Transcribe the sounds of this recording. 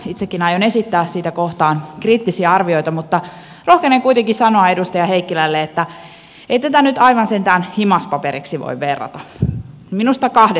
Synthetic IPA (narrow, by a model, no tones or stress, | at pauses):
it̪sekːinɑjone̞sit̪ːæːssiːt̪ækoht̪ɑːnkriːt̪ːisiæɑrʋio̞jt̪ɑmut̪ːɑ | rohkeneŋkuit̪eŋkisɑnoɑe̞dust̪ɑjɑheikːilælːeet̪ːæ | eit̪æt̪ænyt̪ɑiʋɑnsent̪æːnhimɑspɑpeɾiksiʋo̰iʋʋerːɑ̰t̪ɑ | minust̪ɑkɑhde